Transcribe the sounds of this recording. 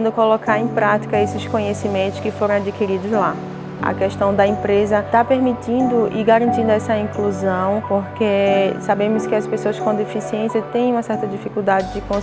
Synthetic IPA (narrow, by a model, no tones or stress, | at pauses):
nd̪ʊkolokaɾẽj̃pɾat̪i̥kɐesɪskõɲesimẽnt̪ʊskɪfoɾɐ̃w̃ad͡ʒikiɾid̪ʊzla | ɐ̰kɛʃt̪ɐ̃w̃d̪ɐĩpɾezɐt̪apeɾmit̪ĩnd̪ʊʔɪɡaɾɐ̃nt̪ĩnd̪ʊɛsɐĩkluzɐ̃w̃poɾkesabẽmʊskɪɐspesoɐskõd̪efisiẽsjɐt̪ẽj̃ũmɐsɛɾt̪ɐd͡ʒifikuwd̪ad͡ʒɪd͡ʒɪkõ